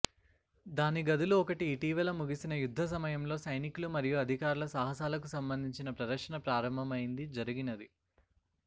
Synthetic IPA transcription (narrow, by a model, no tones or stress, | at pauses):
d̪aːniɡɐd̪uluɔkɐʈiːʈiːʋɐlɐmuɡisinɐjud̪ʱːɐs̬ɐmɐjɐmlo̞ːsɐjnikulumɐɾijuɐd̪ʱikaːɾulɐsaːɦɐs̬aːlɐkusɐmbɐnd̪ʱiɲt͡ʃinɐpɾɐd̪ɐɾʂɐnɐpɾaːɾɐmbʱɐmɐjind̪id͡ʒɐɾiɡinɐd̪i